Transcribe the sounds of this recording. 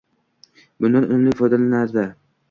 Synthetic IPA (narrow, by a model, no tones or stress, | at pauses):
bʊnd̪anʊŋlɪfɒjd̪alanaɾd̪a